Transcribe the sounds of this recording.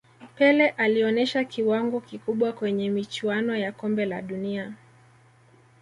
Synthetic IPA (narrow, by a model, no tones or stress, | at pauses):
pɛlɛʔaliɔnɛʃakiwaŋɡɔkikuɓwakwɛɲɛmit͡ʃuanɔjakɔmbɛla̰ɗunia